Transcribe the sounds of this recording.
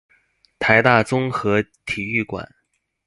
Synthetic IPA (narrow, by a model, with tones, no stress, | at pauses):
t̪ʰa˧˥ɪt̪a˥˩t͡sʊ˥ŋxɤ˧˥t̪ʰi˨˩y˥˩kwa̰˨˩˦n